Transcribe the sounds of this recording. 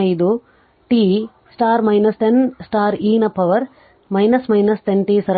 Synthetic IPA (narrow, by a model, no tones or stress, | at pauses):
ɐjd̪u | ʈiː | sʈaːɾmɐjnɐst̪ensʈaːɾiːnɐpːɐʋɐɾ | mɐjnɐsmɐjnɐst̪enʈiːsɐɾ